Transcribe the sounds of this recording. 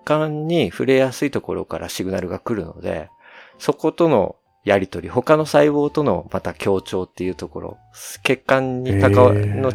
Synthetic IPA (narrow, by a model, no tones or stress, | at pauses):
kãɲːiɸɯ̟ɾe̞jasɨit̪o̞ko̞ɾo̞̰kaɾa̰ɕiɡɯ̟naɾɯ̟ɡakɯ̟ɾɯ̟no̞̰d̪e̞̰ | so̞ko̞t̪o̞no̞̰ | jaɾʲit̪o̞ɾʲiho̞kano̞saiβo̞ːt̪o̞no̞̰mat̪akʲo̞ːt͡ɕo̞ːt̪ːe̞jɯ̟ːt̪o̞ko̞ɾo̞̰ | ke̞kːãɲːik̪aano̞